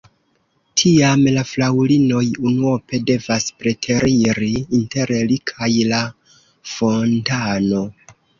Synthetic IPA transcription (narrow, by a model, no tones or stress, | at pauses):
tʰiamlaflawlino̞junuope̞de̞vaspɾe̞tʰe̞ɾiɾiːnte̞ɾlikʰajla | fo̞ntano̞